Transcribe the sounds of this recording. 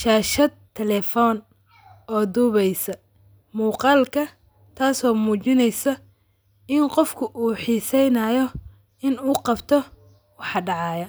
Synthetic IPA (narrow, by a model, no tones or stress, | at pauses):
ʃaːʃɐd̪̚t̪ʰɛlɛfɔːn | ɔːd̪uːβɛjsɐ | muːqɑːlkʰɐ | t̪ʰaːsɔːmuːt͡ʃɪnɛjsɐ | ɪnqɔfkʰʊʔuːħiːsɛjnaːjɔ | ɪnuːqɑbt̪ʰɔ | wɑħɑɖɑʕɑːjɐ